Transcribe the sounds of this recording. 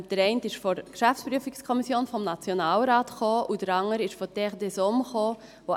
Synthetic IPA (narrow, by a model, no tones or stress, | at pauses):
d̥əɾɛɪntɪʃfɔɾkʃæft͡sspɾyəfikskʰɔmisjoːnfɔmnɑt͡sjonɑːlɾɑːtχoːʔud̥əɾɑŋəɾɪʃfɔtɛʁdɛsomχoː | vo